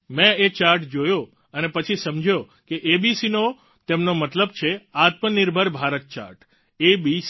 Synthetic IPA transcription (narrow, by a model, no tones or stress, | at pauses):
mɛ̃et͡ʃaɾʈd͡ʒojo | ənepət͡ʃʰisəmd͡ʒʱjo | keʔebisino | t̪emnomət̪ləb̚t͡ʃʰeat̪məniɾbʱəɾbʱaɾət̪̚t͡ʃa̰ɾʈ | ebis